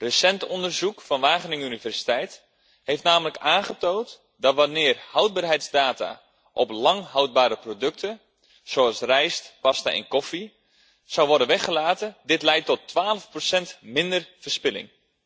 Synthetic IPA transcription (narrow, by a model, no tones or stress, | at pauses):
rəsɛntɔndərzukfɑnʋaːχənɪŋynivɛrsi̥tɛjt | hejftnaːmələkaːnχətoːt | dɑtʋanɪːrhɑwd̚baːrɦɛjtzdaːta̰ | ʔɔplɑŋɦɔwd̚baːɾəprodɵk̚tʰə | soɑlˠsrɛjstpɑsta̰ɪ̰nkɔfi | sawʋɔrdənʋɛχəlaːtədɪtlɛjtːɔtːʋaːləfprosɛntmɪndərv̥ərspɪlɪ̰ŋ